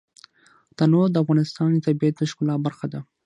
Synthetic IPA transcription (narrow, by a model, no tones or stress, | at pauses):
t̪anod̪əafɣɑnɪst̪ɑnt̪abiat̪̚əʃkʊlɑbaɾxad̪a